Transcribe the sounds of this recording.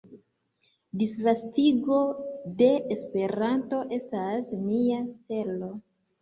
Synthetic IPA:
disvastiɡo̞de̞ʔːspe̞ɾanto̞ʔe̞stasmiat͡se̞lo̞

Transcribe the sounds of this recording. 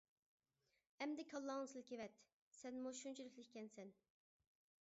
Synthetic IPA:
ɛmd̪ɛkʲʰɑlˠːɑŋsɨlkʲivɛt̪ | sɛnmoʃunt͡ʃʰiɾykʲlɪkʲkʲʰɛnsɛn

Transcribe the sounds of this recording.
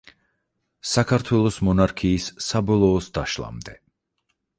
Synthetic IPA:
sakʰaɾt̪ʰwɛlˠɔsmɔnaɾkʰiːsːabɔlˠɔːsd̪̥aʃlˠa̰md̪ɛ

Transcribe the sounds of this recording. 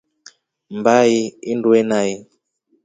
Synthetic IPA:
mbajiinduenaji

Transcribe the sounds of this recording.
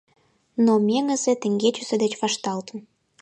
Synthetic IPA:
nomeŋə̆zet̪ə̆ŋɡet͡ɕused̪et͡ɕβɑʃt̪ɑlt̪ə̆m

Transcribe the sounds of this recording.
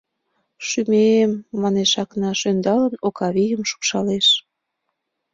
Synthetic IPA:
ʃymemːɑneʃɑknɑʃønd̪ɑlənokɑβijəmʃu̥kʃɑleʃ

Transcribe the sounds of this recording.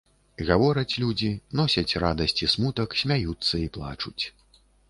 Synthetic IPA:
ɣavɔɾɐt͡sʲlʲud͡zʲinɔsʲɐt͡sʲrad̪ɐsʲt͡sʲismut̪ɐksʲmʲajut̪sːɐiplˠa̰t͡ʂut͡sʲ

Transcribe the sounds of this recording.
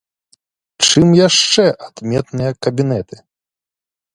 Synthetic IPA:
t͡ʂɨmjaʂt͡ʂɛʔad̪̥mʲɛt̪nɨjɐkɐbʲinɛt̪ɨ̥

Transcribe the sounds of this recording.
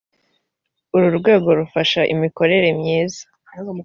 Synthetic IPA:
uɾuɾɡwe̞ːɡo̞ɾufaʃaʔḭmiko̞ɾe̞ɾe̞mɲiːza

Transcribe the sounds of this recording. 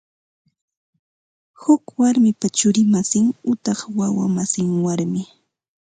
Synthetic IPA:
hʊkwaɾmɪpat͡ʃʊɾɪmasɪŋʊt̪ɑχwawa̰masɪŋwaɾmɪ

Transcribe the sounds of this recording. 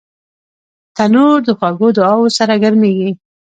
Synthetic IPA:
t̪anoɾd̪əxwaɡod̪əɑwosaɾaɡəɾmeɡi

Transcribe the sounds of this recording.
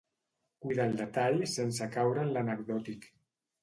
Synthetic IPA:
kujðalˠd̪et̪aʎsens̬akawɾanlanəkðɔt̪ik

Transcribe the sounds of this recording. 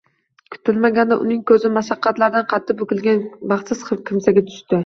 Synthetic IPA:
kʲʰʊ̥t̪ʰɪlmaɡʲand̪aʔʊ̰nɪŋkʲʰɵzɪmaʃɑqːɑt̪laɾd̪anqʰɑt̪ʰːɪpɵkʲɪlɡʲanbɑχt̪sɪskʲʰɪmsaɡʲat̪ʰʊ̥ʃt̪ɪ

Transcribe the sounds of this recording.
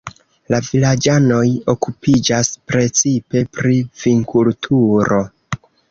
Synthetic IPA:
lavilad͡ʒano̞jo̞kupid͡ʒaspɾe̞t͡sipe̞pɾiviŋkʰultʰuɾo̞

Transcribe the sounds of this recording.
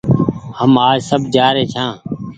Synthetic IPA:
həmaːd͡ʒsəbd͡ʒaːɾeːt͡ʃʰãː

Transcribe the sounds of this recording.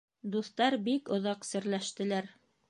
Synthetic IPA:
d̪uθt̪ɑɾbikŏðɑqsɘ̆ɾlæʃt̪ɘ̆læɾ

